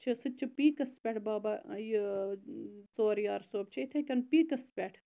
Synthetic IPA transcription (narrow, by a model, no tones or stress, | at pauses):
t͡ʃʰisɨt͡ʃʰipiːkɐspʲeʈʰbaːbɐji | t͡soːɾjaːɾsoːb̚t͡ʃʰiit̪ʰɐkɐnpiːkɐspʲeʈʰ